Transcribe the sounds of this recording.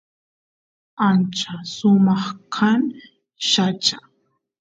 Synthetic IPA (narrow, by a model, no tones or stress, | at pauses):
ant͡ʃasʊmɑχkʰan | ʃat͡ʃa